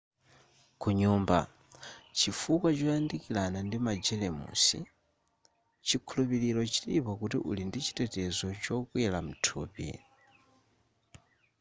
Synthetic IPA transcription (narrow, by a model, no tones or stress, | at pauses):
kuɲuːmba̰ | t͡ʃifukwat͡ʃɔjandikilanandimad͡ʒɛlɛmṵsḭ | t͡ʃikʰulupiɾilɔt͡ʃiɾipɔkutḭʔṵlindit͡ʃʰi̥tɛtɛzɔt͡ʃɔkwilam̩tʰṵːpḭ